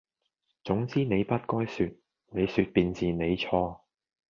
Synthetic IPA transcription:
t͡sʊ˨˥ŋt͡siː˥ne˨˧jpɐ˥t̚kɔː˥jsyː˧t̚ | ne˨˧jsy˧t̚piː˧nt͡siː˨ne˨˧jt͡sʰɔː˧

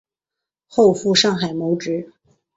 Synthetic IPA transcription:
xo˥˧ʊfu˥˧ʂɑ˥˩ŋxa˨˩ɪmo˧˥ʊʈ͡ʂɻ̩˧˥

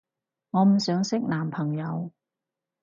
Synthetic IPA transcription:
ŋɔː˨˧m̩˨˩sœː˨˥ŋsɪ˥k̚naː˨˩mpʰɐ˨˩ŋjɐ˨˧w

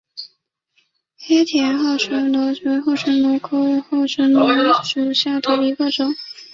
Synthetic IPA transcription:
xɛ˥t̪ʰjɛ˧˥nxɑ˥˩ʊʂə˧˥lɔ˧˥t͡ɕɛ˧˥xo˥˩ʊʂə˧˥lɔ˧˥kʰo˥˧˥xo˥˩ʊʂə˧˥ŋlɔ˧˥ʂu˨˩ɕja˥˩d̪ə˩i˧˥ɡə˥˧ʈ͡ʂʊ˨˩˦ŋ

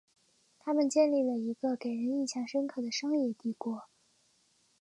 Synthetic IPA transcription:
t̪ʰa˥mə˨nt͡ɕjɛ˥˧nli˥˩lə˩i˧˥ɡə˧ke˨˩ɪɻə˧˥ni˥˩t͡ɕʰjɑ˧˥ŋʂə˥nkʰɤ˥˩d̪ə˩ʂɤ˥ŋjɛ˥˧t̪i˥˩kwɔ˧˥

